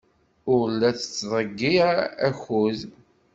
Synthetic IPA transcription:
ʊɾlːæt͡sːə̥t͡sːðˤəɡːiæxuð

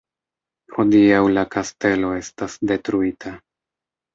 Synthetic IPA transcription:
hodiawlakaste̞lo̞e̞stasde̞tɾuitʰa

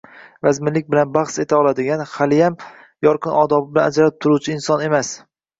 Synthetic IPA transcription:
vazmɪlːɪk̚ʲbɪlanbɑχse̞t̪ʰaɒlˠad̪ɪɡʲanhalɪjam | jɒɾqɨnʔɒd̪ɒbɪbɪlanad͡ʒaɾap̚t̪ʰʊɾuwt͡ʃʰɪɪnsɒne̞mas

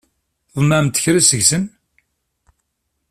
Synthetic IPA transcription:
ðˤmæmt̪ːə̥çɾisəʝsən

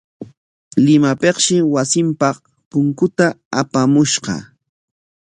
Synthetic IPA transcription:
lɪmapeqʃɪwasɪmpɑq | pʊŋkʊt̪aapamʊʃɢɑ̰

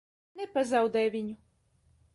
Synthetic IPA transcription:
nɛpazawd̪ɛvʲiɲʲʊ

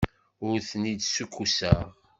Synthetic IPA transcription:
ʊɾθənid̪sukʰːusæʁ

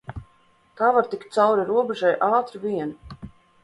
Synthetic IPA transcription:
k̪aːvaɾt̪ik̚t̪t̪sawɾiɾuɔbɛʒajʔaːt̪ɾivʲiɛn

